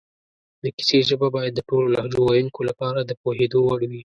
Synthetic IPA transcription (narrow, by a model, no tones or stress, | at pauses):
d̪əki̥seʒəbabɑjad̪ːəʈololɑhd͡ʒowajuŋkolapɑɾad̪əpohed̪owaɽwi